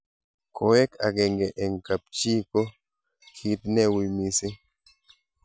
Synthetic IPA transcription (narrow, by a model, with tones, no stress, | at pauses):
kʰɔ˨ɛ˦ka̰˨ɡɛ˨ŋɡɛ˨ʔɛ˨ŋ˨ka˨p̚t͡ʃi˦kɔ˦ | kʰi˨˦t̚nɛ˦wi˨mi˨si˦